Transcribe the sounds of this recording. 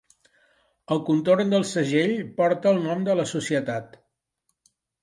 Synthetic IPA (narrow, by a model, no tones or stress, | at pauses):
əlˠkunt̪ornd̪əlˠsəʒeʎpɔɾt̪əːlˠnɔmd̪ələsusiət̪at̪